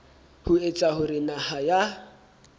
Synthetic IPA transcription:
hʊet͡sʼahʊɾɪnahaja

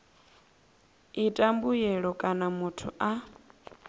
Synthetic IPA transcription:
itʼambujɛɺɔkʼanamutʰuʔa

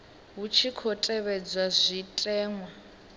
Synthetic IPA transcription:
ɦut͡ʃʰikʰɔtʼɛβɛd͡zwazʷitʼɛːŋwa

